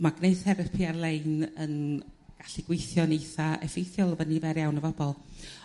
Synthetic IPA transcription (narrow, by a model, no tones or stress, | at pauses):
maɡ̥neɨðθɛɾəpʰiarlˠeɨnənɡ̥aɬiɡ̥wɪjθjɔnejθaɛ̰fejθjɔlˠəvənivɛɾjawnəvɔbɔlˠ